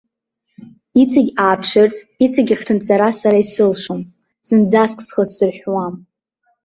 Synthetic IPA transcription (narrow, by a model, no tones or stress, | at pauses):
it͡sʼaɡʲaːpʰʂɨrt͡sʼit͡sʼaɡʲaχtʰɨnt͡sʼaɾasaɾaisɨlʂom | sɨnd͡zaskʼʰsχəzsɨrħʷᶣwam